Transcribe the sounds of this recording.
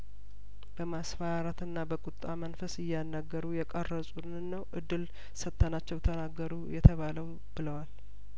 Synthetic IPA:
b̥əmasfaɾat̪ɨnːabəkʼut̪ʼːamənfəsɨjːanːəɡːəɾujɛkʼərːəsʼunnːəwʔɨd̪ːɨl | sət̪ʰːənat͡ʃːɛwt̪ʰənaɡːəɾujɛt̪ʰəβaləw | b̥ɨləwal

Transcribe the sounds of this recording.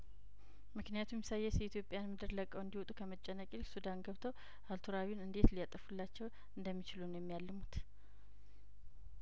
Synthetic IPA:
mɨknijat̪ʰumjɛsajːɛsjɛit̪jo̞pʼːjanmɨd̪ɨɾləkʼːəwɨnd̪iwɔt̪ʼukʰəmət͡ʃʼːɛnːəkʼilsud̪anɡəβt̪ʰəw | ʔalt̪ʰuɾawinɨnd̪e̞t̪lijat̪ʼəfulːat͡ʃːɛw | ɨnd̪əmːit͡ʃɪlunojɛmːijalːɨmut̪

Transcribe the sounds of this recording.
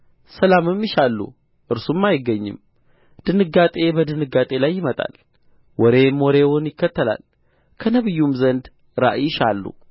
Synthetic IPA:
səlamɨmjɪʃalːṵ | ʔɨɾsumːajɪɡːəɲːɪ̰m | d̪̥ɨnɨɡːat̪ʼe̞bəd̪ɨnɨɡat̪ʼe̞lajːɪmət̪ʼa̰l | wɔɾe̞moɾe̞wʊnjɪkːət̪ʰːəla̰l | kʰənəβɨjːumzənd̪ | ɾa̰ʔjɪʃalːṵ

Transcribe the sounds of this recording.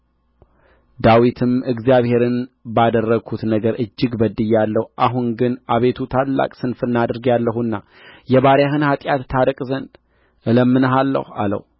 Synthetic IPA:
d̪awit̪ʰɨmɨɡzijaβhe̞ɾɨnbad̪ərːəɡʰut̪nəɡəɾʔɨd͡ʒːɪɡbəd̪ɨjːalːəhuʔaɦunɡɨnʔaβe̞t̪ʰut̪ʰalːa̰kʼsɨnfɨnːad̪ɨɾɡjalːəhunːa | jɛβaɾjaɦɨnhat̪ʼjat̪ːʰaɾɨkʼzənd̪ | ʔɨləmːɨnəɦalːə̰ha̰lə̰hu

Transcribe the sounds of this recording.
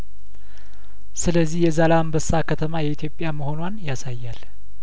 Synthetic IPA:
sɨləzːihjɛzalambəsːakʰət̪ʰəmajɛit̪ʰjo̞pʼjaməho̞nwanjasajːal

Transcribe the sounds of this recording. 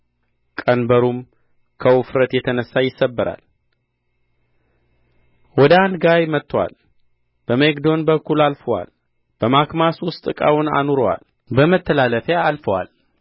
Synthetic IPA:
kʼənbəɾum | kʰəwʊfɾət̪jɛt̪ʰənəsːajɪsːəbːɨɾa̰l | wɔd̪əand̪ɡajmət̪ʰːwa̰l | b̥əmekd̪o̞nbəkːulalfəwa̰l | b̥əmakmaswʊst̪ʼɨkʼa̰wʊna̰nuɾowa̰l | bəmət̪ʰːəlaləfjaːlfəwa̰l

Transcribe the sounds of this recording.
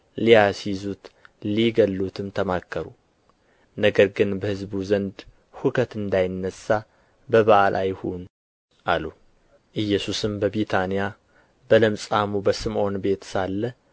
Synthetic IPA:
lijasizut̪liɡəlːut̪ʰɨmt̪ʰəmakʰːəɾu | nəɡəɾɡɨnbəhɨzbuzənd̪ | hukʰət̪ɨnd̪ajɪnːəsːa | bəβaʔalʔajhun | ʔalu | ʔɨjːɛsusɨmbəβit̪ʰanija | bələmsʼamubəsɨmʔo̞nbe̞t̪salːə

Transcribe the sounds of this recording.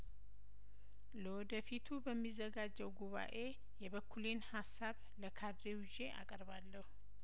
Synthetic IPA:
ləwɔd̪əfit̪ʰubəmːizːəɡad͡ʒːɛwɡuβa̰ʔe̞ | jɛβəkʰːulenhasːaβ | ləkʰad̪ɾewd͡ʒe̞ʔa̰kʼəɾβalːəhu

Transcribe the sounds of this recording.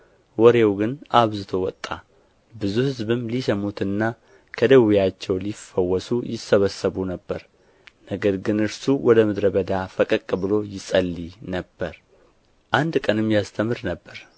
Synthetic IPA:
wɔɾewɡɨnʔaβzɨt̪ʰowɔt̪ʼːa | bɨzuhɨzbɨmlisəmut̪ɨnːa | kʰəd̪əwijat͡ʃːɛwlifːəwːɔsujɪsːəβəsːəβunəbːəɾ | nəɡəɾɡɨnɨɾsuwɔd̪əmɨd̪ɾəbəd̪afəkʼəkʼːbɨlo̞jɪsʼəlːinəbːəɾ | ʔand̪kʼənɨmːjast̪ʰəmɨɾnəbːəɾ

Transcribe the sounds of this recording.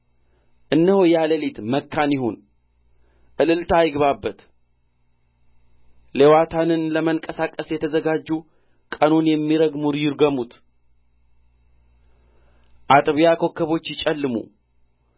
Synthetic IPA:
ʔɨnːəhojaləlit̪məkːanjɪɦon | ʔɨlɨlt̪ʰajɡβabːət̪ | lewat̪ʰanɨnləməŋkʼəsakʼəsjɛt̪ʰəzəɡad͡ʒːu | kʼənunjɛmːiɾəɡmuɾjɪɾɡəmut̪ | ʔat̪ʼβijakʰo̞kʰːəβo̞t͡ʃːjɪt͡ʃʼɛlːɨmṵ

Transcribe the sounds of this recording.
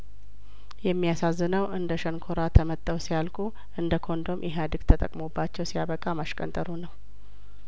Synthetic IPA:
jɛmːijasazːɨnəwʔɨnd̪əʃənkʰoɾat̪ʰəmət̪ʼːəwsijalkʼu | ʔɨnd̪əkʰo̞nd̪o̞mjʔɛɦad̪ɨɡ̥t̪ʰət̪ʼə̰kʼmubːat͡ʃːɛwsijaβəkʼamaʃkʼə̰nt̪ʼəɾunəw

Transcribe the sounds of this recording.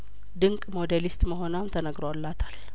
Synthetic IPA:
d̪ɨŋkʼmo̞d̪elist̪məɦo̞namt̪ʰənəɡɾwalːat̪ʰḁl

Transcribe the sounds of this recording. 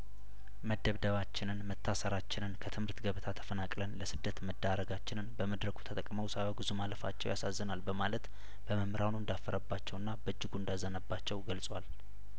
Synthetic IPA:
məd̪əβd̪əβat͡ʃːɪnɨnmət̪ʰːasəɾat͡ʃːɪnɨnkʰət̪ʰɨmhɨɾt̪ɡəβɨt̪ʰat̪ʰə̥fənakʼlənləsɨd̪ːət̪məd̪ːaɾəɡat͡ʃːɪnɨnbəməd̪ɾəkʰu̥t̪ʰət̪ʼəkʼməwsawoɡɨzumaləfa̰t͡ʃːɛwjasazːənalbəmalət̪ | b̥əməmɾawnuɨnd̪afːəɾʔəbːat͡ʃːɛwɨnːabəd͡ʒːɪɡuɨnd̪azːənəbːat͡ʃːɛwɡəlsʼwal

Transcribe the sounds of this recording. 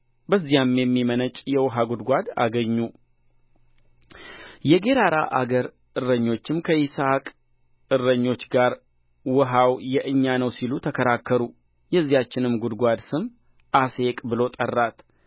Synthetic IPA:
bəzːijamjɛmːimənət͡ʃʼjɛwɔɦaɡud̪ɡʷad̪a̰ɡəɲːu | jɛɡe̞ɾaɾa̰ʔa̰ɡəɾ | ʔɨɾːəɲːo̞t͡ʃːɪmkʰəisakʼ | ɨrːəɲːo̞t͡ʃːɡaɾ | wɔɦawjɛʔɨɲːanəwsilut̪ʰəkʰəɾakʰːəɾu | jɛzːijat͡ʃːɪnɨmɡud̪ɡʷad̪sɨm | ʔase̞kʼbɨlo̞t̪ʼərːat̪

